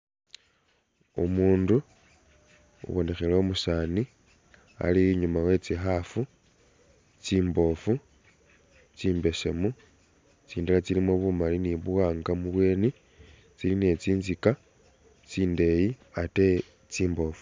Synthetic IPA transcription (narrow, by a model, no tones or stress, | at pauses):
ṵmuːndu | ṵβo̞ne̞xe̞leomusaːni | a̰liɲumawe̞t͡sixafu | t͡siːmbo̞fu | t͡siːmbe̞se̞̰mu | t͡siːndalat͡silimwoβumaliniβuwaːŋɡamuβwe̞ːne | t͡siline̞t͡siːnzika | t͡siːnde̞jiate | t͡siːmbo̞ːfu̥